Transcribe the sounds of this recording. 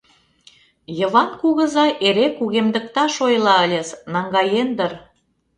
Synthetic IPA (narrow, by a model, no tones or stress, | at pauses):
jə̆βɑnkuɣə̆zɑʔeɾekuɣemd̪ə̆k̚t̪ɑʃojlɑəlʲeznɑŋɡɑjend̪ər